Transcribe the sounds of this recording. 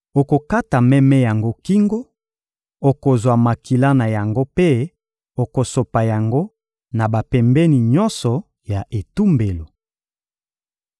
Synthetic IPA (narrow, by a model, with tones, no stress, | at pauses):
o˨ko˨ka˦ta˨mɛ˦mɛ˦ja˨ŋɡo˦ki˦ŋɡo˦ | o˨ko˨zwa˨ma˨ki˨la˦na˨ja˨ŋɡo˦pe˦ | o˨ko˨so˨pa˨ja˨ŋɡo˦ | na˨ba˨pɛ˨mbɛ˦ni˨ɲɔ˦nsɔ˨ | ja˨ʔe˨tu˦mbe˨lo˨